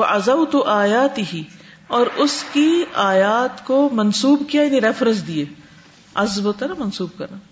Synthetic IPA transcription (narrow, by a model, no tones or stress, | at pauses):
wɐʔɐzɐwt̪ʊʔaːjaːt̪ɪɦi | ɔːɾʊskiaːjaːt̪komɐnsuːbkijajɐniɾɛːfɾəsd̪ieː | ɐzboːt̪aːnamɐnsuːb̚kɐɾnaː